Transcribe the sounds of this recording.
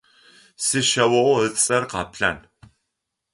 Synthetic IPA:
sɨʃɐwɐʔʷʊəθt͡sʼɐrqɑːpɬɐ̰n

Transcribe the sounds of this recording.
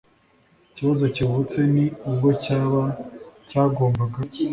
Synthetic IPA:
iciβazo̞ciβut͡se̞niub̚ɡo̞caβacaːɡo̞ːmbaɡa

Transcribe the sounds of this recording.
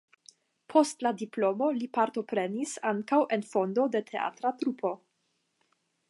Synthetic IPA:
pʰo̞stladiplo̞mo̞lipaɾto̞pɾe̞nisaŋkawʔe̞nfo̞ndo̞de̞tʰe̞a̰tɾatɾupʰo̞

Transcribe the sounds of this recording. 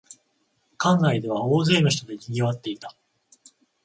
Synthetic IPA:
kãŋɾaid̪e̞βao̞ːze̞ːno̞ç̬i̥t̪o̞d̪e̞kʲiɡʲiβat̪ːe̞it̪ḁ

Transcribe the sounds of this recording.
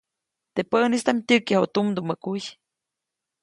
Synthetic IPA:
t̪epənist̪amtʲɨkjahot̪umd̪umːəkuj

